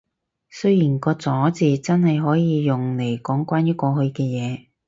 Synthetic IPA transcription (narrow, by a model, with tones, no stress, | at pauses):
sɵ˥ɥjiː˨˩nkɔː˧t͡sɔː˨˥t͡siː˨t͡sɐ˥nhɐ˨jɦɔː˨˥jiː˨˧jʊ˨ŋle˨˩jkɔː˨˥ŋkʷwaː˥njɐ˥t̚kɔː˧hɵ˧ɥkɛː˧jɛː˨˧